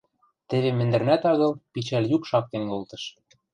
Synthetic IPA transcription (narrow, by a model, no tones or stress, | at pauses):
t̪ɘ̆βemɘ̆nd̪ɘ̆rnæt̪ɑɣɤ̆lpit͡ɕæljukʃɑk̚t̪enkolˠt̪ɤ̆ʃ